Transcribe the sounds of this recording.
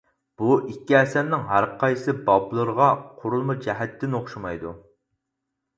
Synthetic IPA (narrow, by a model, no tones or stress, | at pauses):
b̥uʔikʲːiɛsɛnnɪŋɦæɾqʰɑjsɨbɑblˠɨɾəʁɑqʰoɾulˠmɨd͡ʒɛɦɛt̪ːɪnoχʃumɑjd̪u